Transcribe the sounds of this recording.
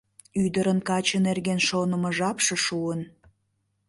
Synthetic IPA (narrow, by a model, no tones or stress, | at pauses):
yd̪əɾənkɑt͡ɕənerɣenʃonəməʒɑpʃĕʃuən